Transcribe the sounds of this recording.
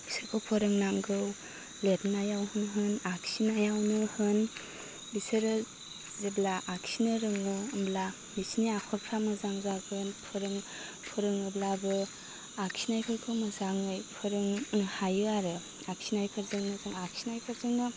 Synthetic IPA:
bisɯɾkʰowpʰɔɾɯŋnaŋɡɯw | letnajawhɯnɦɯnaksinajawnɯhɯn | bisɯɾɯ | ziblaʔaksinɯɾɯŋoːmbla | misniakʰɔɾpʰɾamɯzaŋzaɡɯnpʰɔɾɯŋ | pʰɯɾɯŋɯblabɯ | aksʰinajpʰɯɾkʰɯmɐzaŋɯjpʰɔɾɯŋnhajɯaɾɯ | aksinajpʰɯɾzɯŋnɯzaŋaksʰinajpʰɯɾzɯŋnɯ

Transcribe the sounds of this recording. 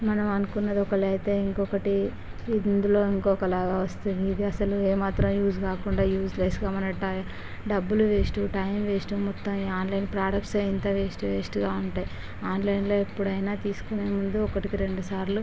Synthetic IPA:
mɐnɐmɐnukunːɐd̪iɔkɐɭɐjt̪e̞ːiŋkɔkɐʈiː | nd̪ulo̞ːiŋkɔːkɐlaːɡaːʋɐst̪und̪iːd̪iɐsɐlueːmaːt̪ɾɐmjuːd͡ʒkaːkuɳɖaːjuːd͡ʒlɐjsɡaːmɐnɐʈɐ | ɖɐbːuluʋeːsʈuʈɐjmʋeːsʈumɔt̪ːɐmaːnlɐjnpɾaːɽɐk̚ʈsɐint̪ɐʋeːsʈuʋeːsʈuɡaːuɳʈaːji | aːnlɐjnlo̞ːepːuɽɐjnaːt̪iːsu̥kuneːmund̪uɔkɐʈikiɾe̞ɳɖusaːɾlu

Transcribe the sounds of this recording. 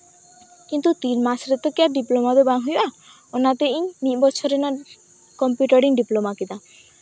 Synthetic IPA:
kint̪ut̪inmasɾet̪ɔkeaɖiplomad̪ɔbaŋɦuja | onat̪eʔiɲnibɔt͡ʃʰɔɾenɔ | kɔmpjuʈɔɾiŋɖiplomakid̪a

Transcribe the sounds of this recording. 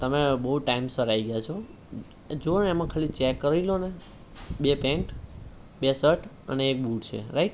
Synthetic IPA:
t̪əmebəɦuʈaimsəɾaiɡjat͡ʃʰo | d͡ʒoneemãkʰəlit͡ʃekːəɾilone | bepẽɳʈ | besəʈʰ | ə̰neːk̚buʈt͡ʃʰḛɾaiʈ

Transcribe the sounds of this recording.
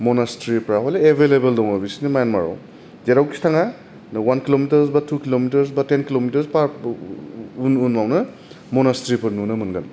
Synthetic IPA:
mɔnastɾipɾaɦɔleebʱelebeldɔŋabisinimajanmaɾɔ̰w | d͡ʒeɾawki̥stʰaŋa | nwankilomitɐɾsbatʰukilomitɐɾs̬batenkilomitɐɾspaɾ | ununmawnɐ | mɔnastɾipɐɾnunɐmɯnɡɐn

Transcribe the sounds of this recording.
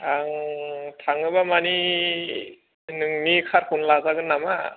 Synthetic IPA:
aŋtʰaŋɯbamani | nɯŋnikʰaɾkʰunlazaɡɯnːama

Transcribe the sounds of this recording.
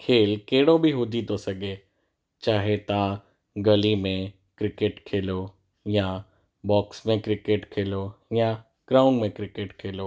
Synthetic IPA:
kʰeːlkeːɽobʱiɦʊd͡ʒit̪osɐɡeː | t͡ʃaːɦet̪a | ɡɐlimẽ | kɾɪkeʈkʰeːlo | ja | bɔːksmẽkɾɪkeʈkʰeːlojã | ɡ̥ɾaːʊ̃ɳɖmẽkɾɪkeʈkʰeːloː

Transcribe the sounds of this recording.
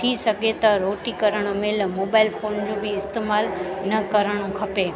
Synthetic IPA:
t̪ʰisɐɡʱet̪ɐɾoːʈikɐɾəɽ̃mɪlmoːbaːɪlfõːnd͡ʑobiɪst̪eːmaːlnɐkɐɾəɽ̃ũkʰɐpeː

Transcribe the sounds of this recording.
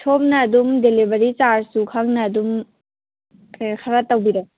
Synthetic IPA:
tʰop̚nɐːdumdelibɐɾit͡ʃaɾsukʰaŋnɐːdum | kʰɐɾatawbiɾe

